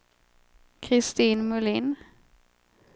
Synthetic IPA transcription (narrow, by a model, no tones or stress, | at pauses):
kʰɾɪst̪iːnmɵlin